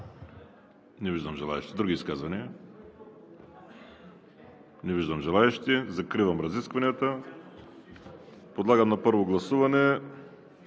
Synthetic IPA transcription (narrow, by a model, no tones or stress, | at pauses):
nɛviʒd̪ɐmʒɛlˠa̰ɛ̰ʃt̪id̪ɾuɡʲiːskazvɐniɐ | nɛviʒd̪amʒɛlˠaɛʃt̪izakɾivɐmɾɐziskvɐnʲjat̪ɐ | pod̪lˠaɡɐmnapəɾvoɡlˠɐsuvanɛ